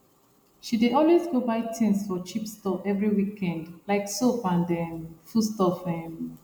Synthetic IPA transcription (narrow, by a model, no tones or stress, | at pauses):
ʃideɔlwezɡobaɪtʰĩnsfɔt͡ʃipstɔpɛvɹiwikɛ̃ndlaɪksopãndɛ̃fustɔfɔhĩm